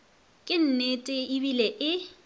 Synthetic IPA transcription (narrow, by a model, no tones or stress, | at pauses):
kʼɪn̩netʼɪibilɛʔɪ